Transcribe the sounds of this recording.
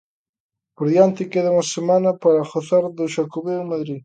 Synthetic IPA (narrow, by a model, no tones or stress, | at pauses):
poɾðjant̪ɪkeðauŋɐsemanɐpaɾɐxoθaɾðʊʃakoβeʊmaðɾi